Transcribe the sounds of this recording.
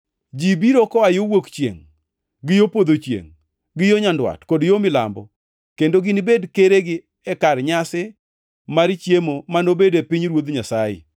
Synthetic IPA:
d͡ʒibiɾokɔajowokt͡ʃjḛŋ | ɡɪjopod̪ot͡ʃjḛŋ | ɡɪjoɲandwa̰tkodjomɪla̰mbɔ | kendoɡɪnɪbedkeɾeɡɪ | ɛkarɲasɪ | maɾt͡ʃjemomanobedepɪɲɾwod̪ɲasajɪ̰

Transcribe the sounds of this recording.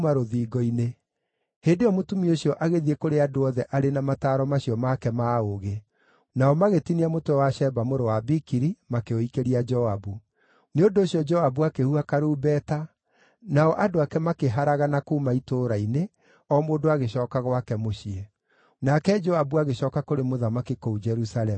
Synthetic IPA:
maɾoðiːɡɔine | hendeɔmotumioɕiɔʔaɣeðiekoɾeadoɔðɛʔaɾenamataːɾɔmaɕiɔmakɛmaoɣe | naɔmaɣetiniamotoɛwaʃɛbamoɾowabikiɾimakeoikeɾiad͡ʒɔabu | neondoːɕiɔd͡ʒɔabuakehuakaɾuːbɛːta | naɔʔadoakɛmakeɦaɾaɣanakuːmaitoːɾaine | ɔmoːdoaɣeɕɔːkaɣwakɛmoɕiɛ | nakɛd͡ʒɔabuaɣeɕɔːkakoɾemoðamakikoud͡ʒɛɾusalɛm

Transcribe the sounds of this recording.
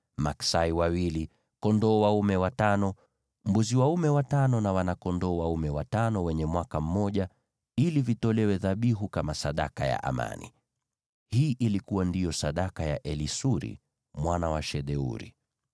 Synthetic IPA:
maksaiwawili | kɔndɔːwaumɛwatanɔ | m̩buziwaumɛwatanɔnawanakɔndɔːwaumɛwatanɔwɛɲɛmwakam̩mɔʄa | ilivitɔlɛwɛðaɓiɦukamasaɗa̰kaja̰ʔa̰ma̰nḭ | hiːʔilikuwandijɔsaɗakaja̰ʔɛlisuɾḭ | mwanawaʃɛɗɛṵɾḭ

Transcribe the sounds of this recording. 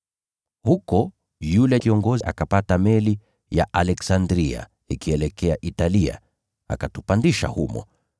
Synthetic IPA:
hukɔ | julɛkiɔŋɡɔziʔa̰kapatamɛli | ja̰ʔalɛksandɾia̰ | ikiɛlɛkɛaʔitalia̰ | a̰katupandiʃa̰humɔ̰

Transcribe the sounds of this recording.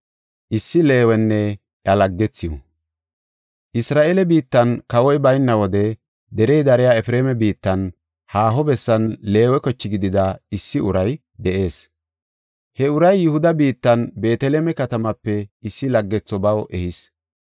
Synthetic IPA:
ʔɪsːɪle̞ːwɛnːɛ | jɐlɐɡːɛt͡sːɪjɔ̰ | ʔɪsɾaːʔelɛbiːt̪ːɐnkɐwɔjbɐjnːɐwɔd̪ɛ | d̪ɛɾɛjd̪ɐɾɛjaɛfɾeːmɛbiːt̪ːɐn | haːɦɔbɛsːɐnle̞ːwɛkɔt͡ʃːɪɡɪd̪ɪd̪ɐɪsːɪʊɾɐj | d̪ɛʔe̞ːs | hɛʊɾɐjːʊhʊd̪ɐbiːt̪ːɐnbe̞ːt̪ɛleːmɛkɐt̪ɐmɐpːɛɪsːɪlɐɡːɛt͡sːɔbɐwʔɛhɪs

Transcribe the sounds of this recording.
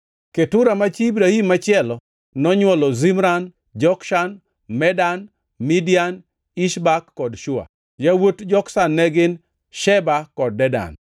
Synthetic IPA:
ketʊɾamat͡ʃiːbɾahimːat͡ʃɪɛlɔ | nɔɲwɔlɔzimɾan | d͡ʒɔkʃan | mɛdan | midijan | iʃbakːɔdʃʊa̰ | jawotd͡ʒɔksanːɛɡɪn | ʃɛbakɔd̚ːɛda̰n

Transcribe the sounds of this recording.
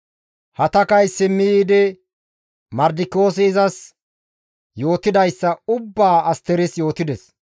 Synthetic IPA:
hɐt̪ɐkɐjsɪmːɪjiːd̪ɛ | mɐɾd̪ɪko̞ːs̬ɪːzɐs | jo̞ːt̪ɪd̪ɐjsːɐʊbːaːɐst̪ɛɾɪsjo̞ːt̪ɪd̪ɛs

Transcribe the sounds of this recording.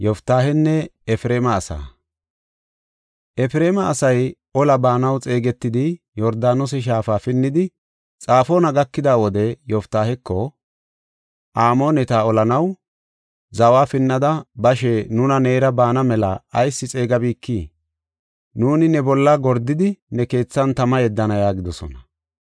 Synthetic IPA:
jɔft̪ːaːhɛnːɛɛfɪɾe̞ːmɐːsa̰ː | ʔɛfɪɾe̞ːmɐːsɐj | ɔlɐbaːnɐwt͡sʼe̞ːɡɛt̪ːɪd̪ɪjɔɾd̪aːnɔs̬ɛʃ̬aːfaːfɪnːɪd̪ɪ | t͡sʼaːfoːnɐɡɐkːɪd̪aːwɔd̪ɛjɔft̪ːaːhɛkːɔ | ʔaːmo̞ːnɛt̪aːɔlɐnɐw | zɐwaːfɪnːɐd̪ɐbɐʃɛnʊnɐne̞ːɾɐbaːnɐmɛlɐːjsːɪt͡sʼe̞ːɡɐbiːkːiː | nuːnɪnɛbɔlːɐɡɔɾd̪ːɪd̪ɪnɛke̞ːt͡sːɐnt̪ɐmɐjɛd̪ːɐnɐjaːɡɪd̪ɔsɔ̰nɐ

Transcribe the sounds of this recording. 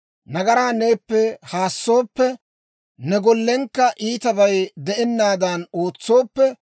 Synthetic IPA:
nɐɡɐɾaːneːpːɛhaːsːo̞ːpːɛ | nɛɡɔlːɛŋkːɐʔiːt̪ɐbɐjd̪ɛʔɛnːaːd̪ɐnoːt͡sːo̞ːpːɛ

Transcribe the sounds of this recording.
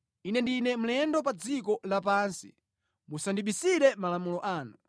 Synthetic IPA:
inɛndinɛm̩lɛndɔpad͡zikɔlap̬aːnsḭ | musandiɓisiɾɛmalamulɔʔaːnu

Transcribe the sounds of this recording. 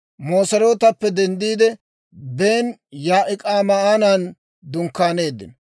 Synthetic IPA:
moːsɐɾo̞ːt̪ɐpːɛd̪ɛnd̪iːd̪ɛ | be̞ːnjaːʔɪkʼaːmɐaːnan | d̪ʊŋkːaːne̞ːd̪ːɪ̰n

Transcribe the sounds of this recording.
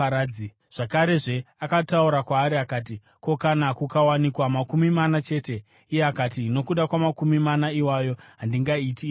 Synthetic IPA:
aɾai | ʐ̥akaɾe̞ʐe̞akatauɾakwaːɾiakaːt̬i | ko̞kanakukawanikwamakumimanat͡ʃe̞ːte̞ | ijeakatiːno̞kuɗakwamakumimanaiwajo̞ɦandiŋɡaiti

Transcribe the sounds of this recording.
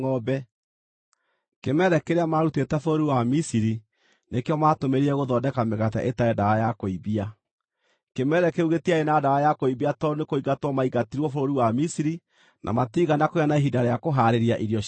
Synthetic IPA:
ɔbɛ | kemɛɾɛkeɾeamaɾutetɛfoɾoɾiwamisiɾi | nekeɔmatomeɾiɾɛɣoðɔdɛkameɣat̬ɛ̰ʔetaɛdawajakoiβia | kemɛɾɛkeuɣetiaenadawajakoiβiatɔonekoiɣatwɔmaiɣatiɾwɔfoɾoɾiwamisiɾi | nʔa̰matiɣanakojanaeɦidaɾeakoɦaɾeɾjaʔiɾiɔ

